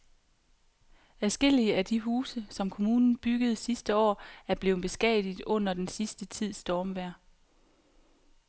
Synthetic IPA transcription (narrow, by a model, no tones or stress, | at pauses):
æsɡ̥e̝l̰iəæd̥iɦuːsəsɒ̽mkʰo̝muːnn̩b̥yɡ̥əð̞̩ˠsisd̥əɒ̰ːæɐb̥le̝ːb̥e̝sɡ̥ɛ̰d̥ˠid̥ɔ̽n̰ɐd̥ensisd̥ət͡sʰið̞̰ˠsd̥ɒːmʋæɐ̰